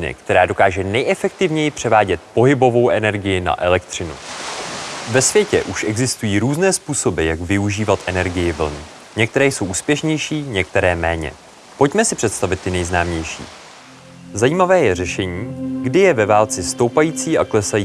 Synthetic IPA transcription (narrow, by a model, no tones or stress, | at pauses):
nɪ̰kt̪ɛɾaːdo̞kaːʒɛnɛjʔɛfɛk̚t̪ɪvɲɛjɪpr̝̥ɛvaːɟɛt̪̚po̞ɦɪbo̞vo̞wʔɛnɛɾɡɪjɪna̰ʔɛlɛkt̪r̝̥ɪnṵ | vɛsvjɛcɛ̰ʔuʃʔɛɡzɪst̪ujiːɾuːznɛːspuːso̞bɪjaɡvɪuʒiːvat̪ʔɛnɛɾɡɪjɪvl̩̰n | ɲɛk̚t̪ɛɾɛːjso̞wʔuːspjɛʃɲɛjʃiːɲɛk̚t̪ɛɾɛːmɛ̰ːɲɛ̰ | po̞cmɛsɪpr̥ɛt̪st̪avɪt̪ːɪnɛjznaːmɲɛjʃḭː | zajiːmavɛːjɛrɛʃɛɲiːɡdɪjɛvɛvaːlt͡sɪst̪o̞wpajiːt͡siːʔaklɛsajiː